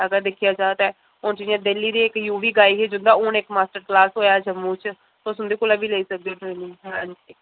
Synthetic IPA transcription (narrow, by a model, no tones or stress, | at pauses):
əɡəɾd̪ɪkʰijaːt͡ʃaːt̪ɛː | ʊnt͡ʃiãd̪eliːd̪iːɪkjuːʋiːɡaːiɦed͡ʒʊnd̪ãːʊːnekmaːsʈəɾklaːsɦoːjaːd͡ʒəmːũːt͡ʃ | tosʊ̃nd̪eːkoːlãːbiːleiːsək̚d̪eoːʈɾeːnɪ̃ŋɡnd͡ʒ